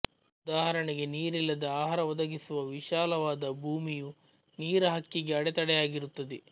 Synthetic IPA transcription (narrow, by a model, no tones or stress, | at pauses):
ud̪aːɦɐɾɐɳiɡe̞niːɾilːɐd̪ɐaːɦɐɾɐʋɔd̪ɐɡisuʋɐʋiʃaːlɐʋaːd̪ɐbʱuːmiju | niːɾɐɦɐkːiɡe̞ɐɽet̪ɐɽɛjaːɡiɾut̪ːɐd̪e